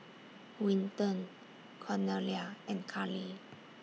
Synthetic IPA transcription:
wĩntə̃n | kʰɔneliaɛ̃nkʰali

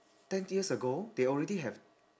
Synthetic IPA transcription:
tɛ̃njiəsəɡod̪eɔlɹɛdiɦɛv

